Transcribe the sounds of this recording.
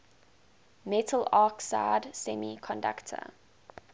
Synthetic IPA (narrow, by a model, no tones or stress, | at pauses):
mɛtʰəlaːksa̰ɪdsɛmikʰɔ̃nda̰ktʰə̰